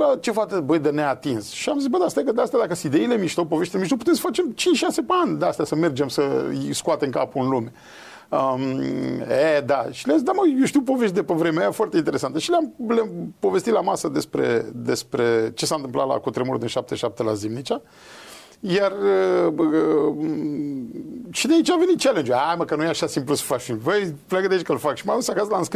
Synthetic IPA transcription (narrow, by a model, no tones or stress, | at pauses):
lat͡ʃe̞fat̪əbəjd̪əneat̪insʃiamzis̬bəd̪ast̪ajakəd̪east̪jad̪akəsid̪eilemiʃt̪owpoveʃt̪emiʃt̪owput̪emsə̥fat͡ʃemt͡ʃinʃʃasepeanʲd̪east̪jasəme̞rd͡ʒe̞msəḭskuat̪emka̰puɨnlume̞ | əm | ed̪aʃileamzisd̪aməjoʃt̪iuwpo̞veʃt̪d̪epevɾemeajafoart̪eint̪eɾesant̪əʃileamlampo̞vest̪it̪lamasəd̪e̞spɾe̞̰d̪e̞spɾe̞t͡ʃe̞sant̪ɨmplat̪la̰kut̪ɾemuɾud̪inʃap̚t̪eʃap̚t̪e̞la̰zimnit͡ʃa | jarə | ʃid̪eait͡ʃave̞nit̪̚t͡ʃele̞nd͡ʒuaməkənujeaʃasimplusə̥fakimvəjpleaɡəd̪eait͡ʃkəlfakʃimausakaslaɨnsk